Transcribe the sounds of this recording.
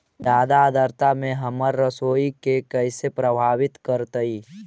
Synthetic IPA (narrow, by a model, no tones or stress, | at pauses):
d̪aːd̪aːd̪əɾt̪amẽɦəməɾːəsoːikekəɪsepɾəbʱaːwɪt̪kəɾt̪əiː